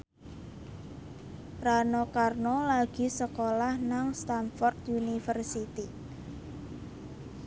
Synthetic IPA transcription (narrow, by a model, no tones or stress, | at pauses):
ranɔkarnɔlaɡ̥i̤səkolahnaŋst̪anfɔrt̪unifərsit̪i